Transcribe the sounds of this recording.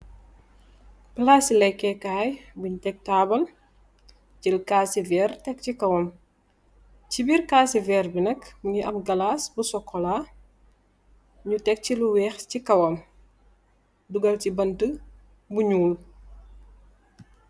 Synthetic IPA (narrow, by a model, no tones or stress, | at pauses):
plaːsilɛjkːɛkaːjbuɲtɛk̚taːbɐl | cilkaːsivɛːrtɛk̚cikɐwɐm | cibiːrkaːsivɛrbinɐkbuɲiʔɐmɡɐlaːsbusɔkʰːɔla | ɲutɛk̚ciluwɛːxcikɐwɐm | duɡɐlcibɐntə | buɲuːl